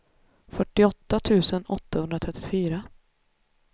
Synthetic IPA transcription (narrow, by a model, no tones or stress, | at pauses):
fœʈːɪɔt̪ːat̪ʰʉ̟ːsənɔt̪ʰːahɵnd̪ɾat̪ʰɛt̪ːɪfyːɾa